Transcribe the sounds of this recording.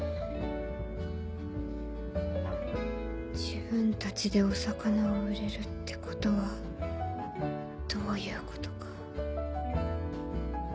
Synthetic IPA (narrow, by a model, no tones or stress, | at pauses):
d͡ʑibɯ̟̃nt̪at͡ɕid̪e̞o̞sakanaoɯ̟ɾe̞ɾɯ̟t̪ːe̞̥ko̞̥t̪o̞βa | d̪̥o̞ːjɯ̟ːko̞̥t̪o̞̥kḁ